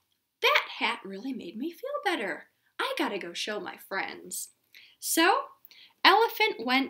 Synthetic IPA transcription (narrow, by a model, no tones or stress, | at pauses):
ðɨt̚hæt̚ɹɪlˠimeɪd̚mifilˠbɛɾə˞ | ʔaɪɡɑɾɨɡoʊʃoʊma̰ɪfɹɛ̰̃ndz̥ | soʊ | ɛlˠəfɨ̃nʔwɛ̃n